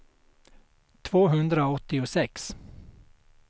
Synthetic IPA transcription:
t̪ʰvoːɦɵnd̪ɾaoɔt̪ːɪʊsɛks

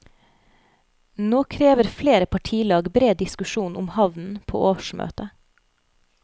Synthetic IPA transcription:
noːkʰɾeːʋəɾfleːɾəpʰɑʈʰiːlɑːɡbɾeːd̪ɪskʉʃuːnʔʊmhɑʋnn̩pʰo̰ːʔoːʋəʃmø̰ːt̪ə

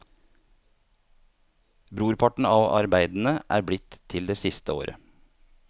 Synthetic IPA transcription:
bɾuːɾpʰɑʈɳ̩ɑːʋɑ̰ɾbæɪd̪n̩əʔæ̰ːɾbɽɪt̪ʰɪld̪eːsɪst̪əo̰ːɾə̰

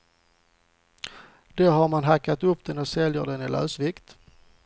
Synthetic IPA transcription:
d̪̥æɦaɾmanɦakːat̪ɵpːd̪̥ɛnɔsɛljəɖɛnɪlʔœ̰ːsvɪkt̪

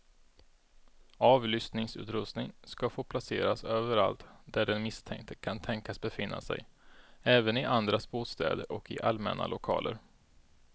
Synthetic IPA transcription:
ɑːvlʏst̪nɪŋsʉ̟ːt̪ɾɵst̪nɪŋskafoːpʰlaseːɾasøːvəɾa̰lt̪d̪̥æɖɛnmɪst̪ʰɛ̰ŋkt̪ʰəkʰant̪ʰɛŋkasbɛfɪnːa̰sɛ̰jɛːvənɪʔand̪ɾasboːt̪st̪ɛ̰ːd̪əɾʔɔkɪʔalmɛ̰nʔa̰lʊkʰɑ̰ːlʔə̰ɾ

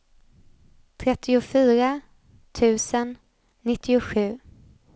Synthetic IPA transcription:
t̪ʰɾɛt̪ʰːɪʊfyːɾa | t̪ʰʉ̟ːsənː | ɪt̪ʰːɪʊɧʉ̟ː

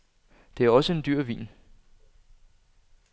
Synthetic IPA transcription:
d̥e̝æɐɒ̽səe̝nd̥yɐ̰ʋḭːn

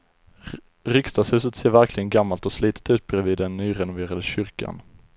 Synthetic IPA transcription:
ɾʏkst̪ɑːshʉ̟ːsət̪seːɾvæɾkʰlɪɡənɡamːalt̪ɔsliːt̪ʰə̥t̪ʉ̟ːt̪̚bɾɛviːd̪ːɛnːyːɾɛnʊveːɾad̪əɕʏɾka̰n

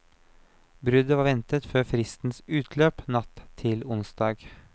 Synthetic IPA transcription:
bɾʉd̪əʋɑːʋɛnt̪ət̪føːfɾɪst̪n̩sʉːt̪ʰløːpnɑt̪ʰːɪlʊnsd̪ɑːɡ

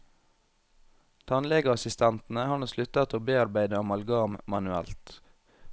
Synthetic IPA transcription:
t̪ʰɑnlɛɡəɑsɪst̪ʰɛnt̪n̩əhɑːɳoːslʉt̪ət̪oːbeːɑɾbæɪd̪əɑmɑlɡɑːmmɑnʉæ̰lt̪

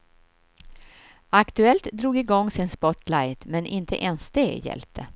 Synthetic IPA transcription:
akt̪ɵɛlt̪d̪ɾuːɡɪɡɔŋːsɪnspɔt̪lajt̪mɛnʔɪnt̪ʰə̰ʔɛnsd̪eːɡjɛ̰lp̚t̪ʰə

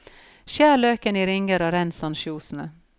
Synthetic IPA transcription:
ʃjæːɭøːkəniːɾɪŋəɾɑːɾɛnsɑnʃuːsnə

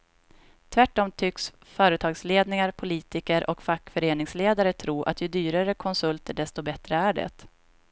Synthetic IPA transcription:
t̪ʰvæʈːɔmt̪ʰʏks | fœːɾət̪ʰɑːɡsleːd̪nɪŋaɾpʰʊliːt̪ɪkəɾʔɔkfakːfœɾeːnɪŋsleːd̪aɾət̪ʰɾuːɾʔa̰t̪jɵd̪yːɾaɾəkʰɔnsɵlt̪əɖɛst̪ɔbɛt̪ɾəæɖɛ̰t̪

